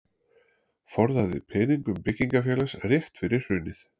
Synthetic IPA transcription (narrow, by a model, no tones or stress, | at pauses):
fɔɾðaðɪ̰pʰɛːniŋkʏmpɪcːiŋkafjɛːlasrjɛht̪fɪɾɪɾ̥hʏnːɪθ